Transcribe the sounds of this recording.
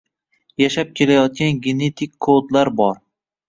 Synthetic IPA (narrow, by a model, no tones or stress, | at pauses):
jaʃap̚kʲʰe̞lajɒt̪̚ɡʲanɡʲene̞t̪ʰɪkʲkʰːod̪laɾbɒɾ